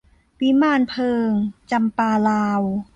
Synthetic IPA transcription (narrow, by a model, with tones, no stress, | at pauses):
pi˦˥maː˥˩npʰɤː˧ŋt͡ɕa˧mpaː˧laː˧w